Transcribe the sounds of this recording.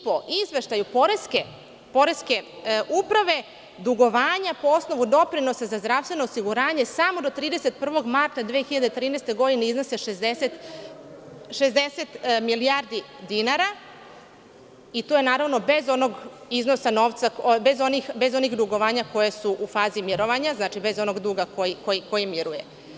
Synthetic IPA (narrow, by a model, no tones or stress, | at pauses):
poʔizʋe̞ʃt̪ajupoɾeske | po̞ɾeske̞ʔupɾaʋe̞ | d̪uɡo̞ʋaːɲapo̞o̞sno̞ʋud̪o̞pɾino̞sazazd̪ɾaʋst̪ʋe̞noosiɡuɾaːɲe̞samo̞d̪o̞t̪ɾiːd̪eset̪̚pr̩ʋo̞ɡmaɾt̪ad̪ʋeːexiʎad̪et̪ɾiːnest̪e̞ɡo̞d̪ineizno̞seʃezd̪eset̪ | ʃezd̪e̞set̪miliaɾd̪i | d̪inaɾa | it̪ojenaːɾaʋno̞be̞zo̞no̞ɡizno̞sano̞ʋt̪sabe̞zo̞nixbe̞zo̞nixd̪uɡo̞ʋaːɲako̞jesuʔufaːzimjeɾo̞ʋaɲaznaːt͡ʃibe̞zo̞no̞ɡd̪uːɡakojikojiko̞jimjiɾuje